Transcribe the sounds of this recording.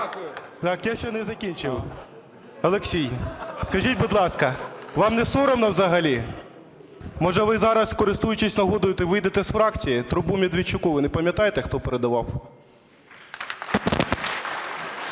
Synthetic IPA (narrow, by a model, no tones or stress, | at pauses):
t̪ɑkjaʃt͡ʃɛnɛzɐkʲinʲt͡ʃɪw | ɐlˠeksʲijskɐʒitʲbud̪lˠɑskɐʋɑmnɛsɔɾɔmnɐwzɐɦɐlʲi | mɔʒɛʋɪzɑɾɐskɔɾɪst̪ujʊt͡ʃɪsʲnɐɦɔd̪ʊjɪt̪ɛʋɪjd̪et̪ɛsfɾɑkt͡sʲijit̪ɾʊbumʲid̪ʋʲit͡ʃːʊkuʋɪnɛpɐmʲjɐt̪ɑjet̪ɛxt̪ɔpeɾed̪ɐʋɑw